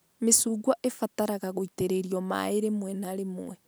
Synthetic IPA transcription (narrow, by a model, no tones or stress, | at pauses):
mesuːɡwaʔefataɾaɣaɣoiteɾeɾjoma̰eɾemwɛnaɾemwɛ